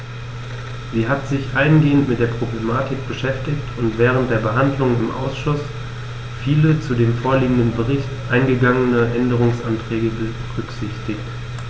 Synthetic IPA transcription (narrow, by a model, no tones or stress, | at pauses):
z̥iːɦatz̥ɪçʔaɪənɡeːəntmɪtd̥eːɐpʁ̥oblemaːtʰɪk̚b̥əʃɛftɪçtʰʊntv̥ɛːʁ̞əntd̥eːɐbəɦandlʊŋɪmʔa̰ʊsʃʊs | fiːlət͡sudeːmfoːɐliːɡŋ̩dənbəʁɪçtʔaɪnɡəɡaŋənəʔɛndəʁ̞ʊŋsʔantʁ̥ɛːɡəbəʁʏkz̥ɪçtɪçt